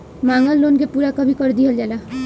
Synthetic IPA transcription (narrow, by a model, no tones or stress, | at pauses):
maːŋɡəlːoːnkepuːɾakəbʱikəɾd̪iɦəld͡ʒaːla